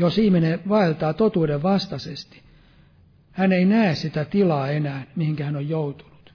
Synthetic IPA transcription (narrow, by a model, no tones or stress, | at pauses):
josihmineʋɑilt̪ɑːt̪ot̪uːdeʋʋɑst̪ɑsest̪i̥ | hæneinæessit̪æt̪ilɑːenæːnmihiŋkæhænojjout̪u̥nu̥t̪